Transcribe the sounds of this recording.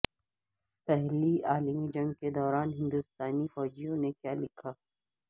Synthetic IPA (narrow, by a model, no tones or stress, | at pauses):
pɛɦliaːlmid͡ʒɐ̃ŋɡked̪ɔːɾaːnɦɪ̃nd̪ust̪aːnifɔːd͡ʒijõnekjaːlɪkʰaː